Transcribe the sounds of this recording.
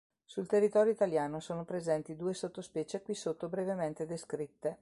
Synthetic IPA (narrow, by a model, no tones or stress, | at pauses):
sult̪erːit̪ɔːɾjoit̪aljaːnosoːnopɾezɛnt̪id̪uːesot̪ːospɛːt͡ʃekwisot̪ːobɾevement̪ed̪eskɾit̪ːe